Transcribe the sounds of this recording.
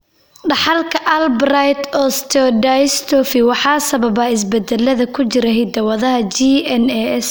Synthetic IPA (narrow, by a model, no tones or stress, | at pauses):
ɖɑħɑlkʰɐʔɐlbrajt̪ʰɔst̪ʰɛɖast̪ʰɔfɪwɑħɑːsɐβɐbɐːɪs̬bɛd̪ɛlːɐðɐkʰʊt͡ʃɪɾɐɦɪd̪ɐwɐðɐɦɐd͡ʒiɛnɛɛs